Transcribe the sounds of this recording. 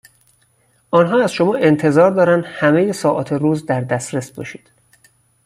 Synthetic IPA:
ʔɒːnɦɒːæz̥ʃo̞mɒːʔe̞nt̪ʰe̞zɒːɾd̪ɒːɾænd̪̥hæme̞jesɒːʔɒ̰ːt̪ʰeruːzd̪æɾd̪æsɾesbɒ̰ːʃiːd̪̥

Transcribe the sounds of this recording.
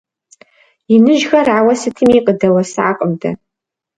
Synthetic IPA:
jɪnɨʒɣɐrʕawɐsɨtʰɨmiqʼədɐwɐsɨʕaqʼəmdʰɐ̰

